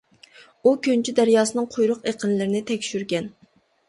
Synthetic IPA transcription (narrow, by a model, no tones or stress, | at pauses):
ukʲønt͡ʃʰyd̪æɾjɑːsɨnɨŋqʰojɾʊqeqʰənlɪɾɪnɪt̪ʰɛkʲʃyɾɡʲɛn